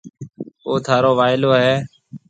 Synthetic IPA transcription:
oːt̪ʰaːɾoːʋaːɪloːɦeː

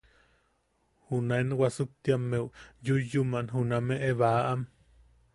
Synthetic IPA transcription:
hunaenwasuk̚t̪jamːeujujumanɦunameʔeβaʔam

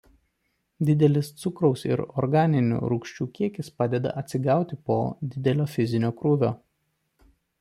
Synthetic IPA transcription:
d̪ʲɪd̪ʲɛlʲɪst̪sʊkɾɔʊsɪ̰ɾɔ̰ɾɡɑːnʲɪnʲṵːɾʊkʃʲt͡ʃʲuːkʲiɛkʲɪspɑːd̪ʲɛd̪ɐ̰ʔɐt̪ʲsʲɪɡɑˑʊt̪ʲɪpoːd̪ʲɪd̪ʲɛlʲoːfʲɪzʲɪnʲoːkɾuːʋʲoː

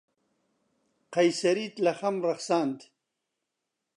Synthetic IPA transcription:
qɐjsɐɾit̪lɐxɐmɾɐχsaːnt̪

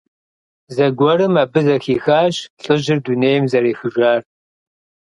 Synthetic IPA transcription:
zɐɡʷɔɾɨmaːbɨzɐxiːxaːɕɬʼɨʑɪrduneːjɪmzɐɾeːxɨʒʷaːr

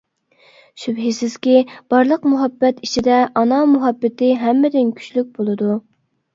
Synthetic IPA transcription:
ʃybɦɪsɪz̥kʲib̥ɑɾlˠəqmuɦɑbːɛt̪it͡ʃʰid̪ɛʔɑnɑmuɦɑbːɪt̪ɪɦɛmːɪd̪ɪnkʲʰy̥t͡ʃlyk̚ʲbolˠɨd̪u

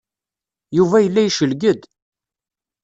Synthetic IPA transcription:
juvæjəlːæjʃəlɡəd̪

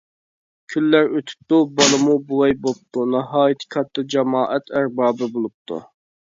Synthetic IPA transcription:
kʲʰylːæɾøt̪ʰy̥p̚t̪ubɑlˠɨmubuwɛjbop̚t̪unɑɦɑːjit̪ʰɪ̥kʰɑt̪ːɨd͡ʒɑmɑːʔɛt̪æɾbɑːbɨbolˠup̚t̪ʰṵ

